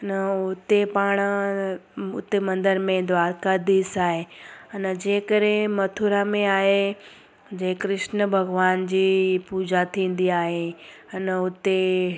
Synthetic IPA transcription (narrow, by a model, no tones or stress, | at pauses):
nəʊt̪epaːɽ̃ | ʊ̰t̪emɐ̃nd̪əɾmẽd̪ʋaːɾkad̪iːsaːɦeɐnəd͡ʑeːkəɾẽmɐt̪ʰuɾamẽaːɦe | d͡ʑẽːkɾɪʃnəbʱɐɡʋaːnd͡ʑiːpuːd͡ʑʱat̪ʰĩːn̆d̪iaːɦeɐnəʊt̪e